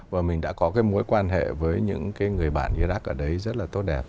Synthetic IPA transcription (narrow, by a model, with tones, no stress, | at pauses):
vaː˨˩mï˨˩ŋ̟ɗa̰ː˧˥kɔ˨˦kaː˨˦jmo˨˦jkwaː˧nɦḛ˧˨vəː˨˦jɲɨ̰˧˥ŋkaː˨˦jŋɨ˨˩əjɓa̰ː˧˨nʔiː˧zaː˦˥k̚ʔəː˧˩ɗə˨˦jzə˦˥t̚laː˨˩t̪o˦˥t̚ɗɛ˨˩p̚